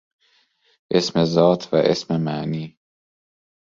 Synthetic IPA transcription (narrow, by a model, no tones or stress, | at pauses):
ʔe̞smezɒːt̪ʰvæ̰ʔḛsmemæʔniː